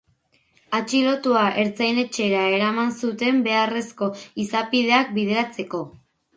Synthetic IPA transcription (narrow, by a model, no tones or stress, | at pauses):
at͡ʃilo̞t̪uaʔe̞ɾt͡sajne̞t͡ʃe̞ɾae̞ɾamansut̪e̞mbe̞are̞sko̞isapiðe̞ak̚bið̞e̞ɾat͡se̞ko̞